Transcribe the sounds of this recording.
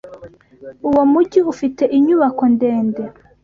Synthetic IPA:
uwomuɟiufite̞ʔiɲuβako̞ndeːnde

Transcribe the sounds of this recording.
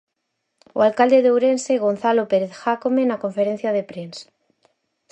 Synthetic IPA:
o̰alkald̪eðowɾenseɣ̞on̟θalopeɾeθxakomenakoɱfeɾen̟θjað̞epɾensḁ

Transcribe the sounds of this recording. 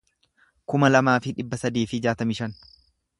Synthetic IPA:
kʊmɐlɐmaːfɪᶑɪbːɐsɐd̪iːfɪd͡ʒaːt̪ɐmɪʃɐn

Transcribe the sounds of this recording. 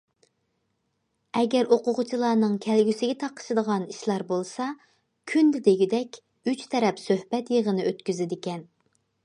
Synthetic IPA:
ɛɡʲɛɾoqʊʁʊt͡ʃʰilˠɑːnɨŋkʲʰɛlɡʲysɪɡʲɛt̪ʰɑqʰə̥ʃɨd̪əʁɑniʃlˠɑɾbolˠsɑ | kʲʰynd̪ɪd̪eɡʲid̪ɛkʲ | yt͡ʃt̪ʰɛɾɛpsøhbɛt̪jeʁənɨøt̪kʲyzɪd̪ɪkʲɛn

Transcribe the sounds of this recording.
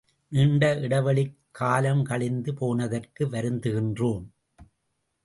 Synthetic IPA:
nɪɳɖɐʔɪɽɐʋɐɭɪkkkʰːaːlɐmkɐɭɪnd̪ɯpoːnɐðɐrkɯʋɐɾɯnd̪ɯɣɪndroːm

